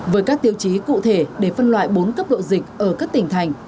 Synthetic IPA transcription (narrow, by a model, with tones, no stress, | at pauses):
vəː˨˦jkaː˦˥k̚t̪i˨˧əwt͡ɕi˨˦kṵ˧˨t̪ʰe˧˩ɗe˧˩fə˧nlwa̰ː˧˨jɓo˨˦nkə˦˥p̚ɗo̰˧˨zï˨˩k̚ʔəː˧˩kaː˦˥k̚t̪ï˨˩ŋ̟t̪ʰa˨˩jŋ̟